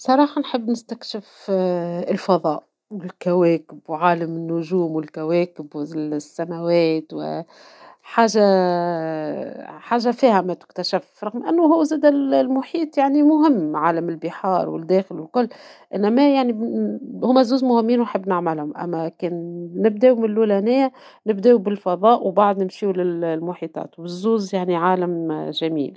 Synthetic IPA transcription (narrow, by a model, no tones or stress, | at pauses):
sˤɑɾˤɑːħɑnħəbːnɪst̪ækʃɪf | ɪlfɑðˤɑːʔ | wɪlkæwɛːkɪbwʕaːlamɪnːʊʒuːmwɪlkæwɛːkɪbwɪsːæmæwɛːt̪wɪ̰ | ħaːʒa | ħaːʒːafiːhæmæt̪ɪ̥kt̪æʃɪfɾˤɑɣmʔɪnːʊɦuːzæːd̪ællmʊħiːt̪ˤjaʕnimʊɦɪmːʕaːlamɪlbɪħɑːɾˤwɪ̰ld̪ɛːxɪlwɪlkʊlːʔɪnːæmæjaʕnihʊmːæzuːzmʊhɪmːiːnwnħɪbːnɪʕmælhʊmʔæ̰mːækɛːnːɪb̚d̪ɛːʔumɪnlːulænæːæ | nɪbd̪ɛːwbɪlfɑðˤɑːʔwbɑʕd̪ˤnɪmʃiwlɪllmʊħit̪ˤɑ̰ːt̪wɪzːuːzjaʕniʕaːlamʒæmḭːl